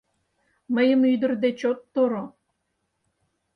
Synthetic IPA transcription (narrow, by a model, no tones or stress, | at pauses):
məjəmyd̪ə̆rd̪et͡ɕot̪ːoɾo